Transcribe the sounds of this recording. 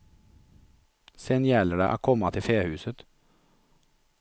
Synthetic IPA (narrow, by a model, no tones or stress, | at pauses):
sɛnjæːləɖə̰ʔæ̰ːkʰɔmɑt̪ʰɪfeːhʉːsət̪